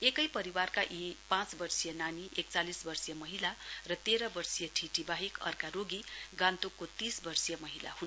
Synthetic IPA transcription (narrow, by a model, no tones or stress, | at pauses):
ekʌjpʌɾiwarkaʔipãt͡sbʌrsijʌnaniʔekt͡salisbʌrsijʌmʌɦilarʌt̪eɾʌbʌrsijʌʈʰiʈʰibaɦikʌ̰rkaɾoɡiɡant̪ukːot̪isbʌrsijʌmʌɦila̰ɦun